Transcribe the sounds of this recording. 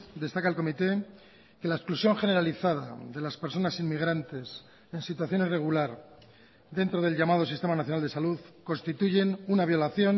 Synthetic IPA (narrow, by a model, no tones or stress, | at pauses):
d̪e̞st̪akaelko̞mit̪e̞ | ke̞laesklusjo̞ŋxe̞ne̞ɾaliθaða̰ðe̞laspeɾso̞nasinmiɣ̞ɾant̪e̞s | e̞nsit̪̬waθjo̞nire̞ɣ̞ulaɾ | d̪e̞nt̪ɾo̞ð̞e̞lʲʝamað̞o̞sist̪emanaθjo̞nalealuðko̞nst̪it̪uʝe̞nunaβ̞jo̞laθjo̞n